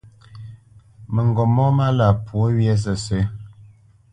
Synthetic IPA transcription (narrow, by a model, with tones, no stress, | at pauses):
mə˨ŋ˨ɡɔ˨mɔ˦ma˦la˨pwo˦ɥjɛ˦s̬ə˨se˦